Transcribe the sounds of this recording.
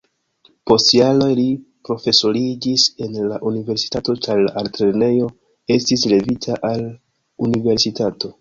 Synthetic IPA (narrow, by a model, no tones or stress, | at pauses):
po̞stijalojlipɾo̞fe̞so̞ɾid͡ʒise̞nlaʔunive̞ɾsi̥tato̞t͡ʃaɾlaʔaltɾene̞jo̞ | e̞stisle̞vitʰaʔal | unive̞ɾsitato̞